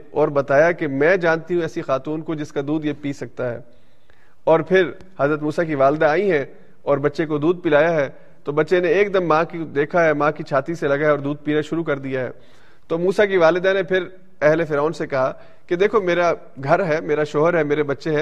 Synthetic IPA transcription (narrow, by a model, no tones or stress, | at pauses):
ɔːɾbɐt̪aːjakemɛ̃ːd͡ʒãːnt̪iɦũɛːsixaːt̪uːnkod͡ʒɪskad̪uːd̪jepiːsɐk̚t̪aɦɛ̰ː | ɔːɾpʰɪɾ | hɐzɾət̪muːsak̬iʋaːld̪aaːiɦɛ̃ | ɔːɾbɐtːʃekod̪uːd̪̚pɪlaːjaɦɛː | t̪oːbɐtːʃeneeːk̚d̪ɐmːãːkid̪eːkʰaɦɛmãːkit͡ʃʰaːt̪iselɐɡaɦɛɔːɾd̪uːd̪̚piːɾaʃʊɾukɐɾd̪ijaɦɛ̰ː | t̪oːmuːsak̬iʋaːlɪd̪anepʰɪɾ | ɛɦlefɪɾaːʊnsekɐɦa | ked̪eːkʰomeːɾa | ɡʱɐɾɦɛːmeːɾaʃɔːɦəɾɦɛmeːɾebɐtːʃeɦɛ̃ː